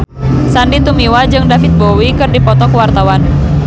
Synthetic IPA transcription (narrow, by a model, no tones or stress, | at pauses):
sandit̪umiwad͡ʒɨŋdafit̪̚bowikɨrdipɔt̪ɔkuwart̪awan